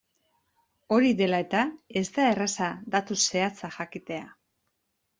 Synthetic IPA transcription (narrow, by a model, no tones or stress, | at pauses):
o̞ɾiðe̞lae̞t̪ae̞zd̪ae̞rasad̪at̪use̞at͡saxakit̪e̞a